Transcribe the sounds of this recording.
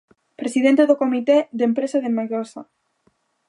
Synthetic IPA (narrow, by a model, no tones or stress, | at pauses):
pɾesiðent̪eðokomit̪ed̪empɾesaðemeɣosa̰